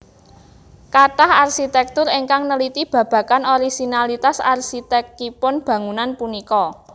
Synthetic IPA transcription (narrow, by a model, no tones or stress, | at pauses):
kaʈaharsit̪ɛk̚t̪ʊɾeŋkaŋnəlit̪ib̥a̤b̥ä̤kanoɾisinalit̪asa̰rsit̪ɛk̚ːipʊnb̥ä̤ŋunanpunikɔ